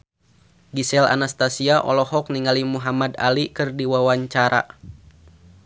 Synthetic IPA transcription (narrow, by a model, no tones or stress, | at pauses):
ɡisɛla̰nast̪asiaʔɔ̰lɔhɔkniŋalimuɦamad̪a̰likɨrdiwawaɲt͡ʃaɾa̰